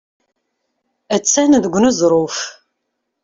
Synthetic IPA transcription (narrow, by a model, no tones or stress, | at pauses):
æt͡sːænðəɡʷːnuzˤɾˤof